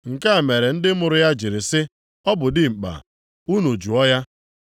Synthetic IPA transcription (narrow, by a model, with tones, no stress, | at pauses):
ŋ̩˨ka˦˨me˨ɾe˨n̩˦dɪ˦mʊ˨ɾʊ˨ja˦d͡ʒi˨ɾɪ˨sɪ˦ | ɔ˦bʊ˨dɪ˦ŋ͡m̩˨k͡pa̰˨ | u˦no˨d͡ʒu˨ɔ˦ja˦